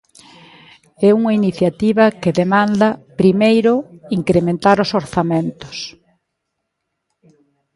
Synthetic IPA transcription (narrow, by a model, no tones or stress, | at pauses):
ɛuŋɐiniθjat̪iβɐkɪðemãnd̪ɐpɾimejɾʊiŋkɾemẽnt̪aɾʊsoɾθamẽnt̪ʊ̥s